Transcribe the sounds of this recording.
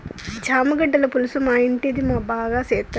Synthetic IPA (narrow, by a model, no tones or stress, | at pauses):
d͡ʒʱaːmɐɡɐɖːɐlɐpulusɐmaːiɳʈid̪imaːbʱaːɡaːseːt̪ːɐ